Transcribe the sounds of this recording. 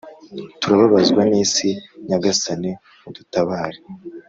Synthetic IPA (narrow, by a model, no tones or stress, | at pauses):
tuɾaβaβazɡwaniːsiɲaɡasane̞ | mudutaβaːɾe